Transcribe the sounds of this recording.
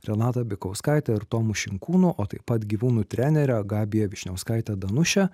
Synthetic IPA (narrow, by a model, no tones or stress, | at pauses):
ɾʲɛnɑːt̪ɐbʲɪkɒʊskɑɪt̪ʲɛɪɾt̪oːmʊʃʲɪŋkuːnʊʔoːt̪ɐɪpɐt̪ɡʲiːʋuːnuːt̪ʲɾʲænʲɛɾʲɛɡɑːbʲɪjɛʋʲɪʃʲnʲɛʊskɐˑɪt̪ʲɛd̪ɐnʊʃʲɛ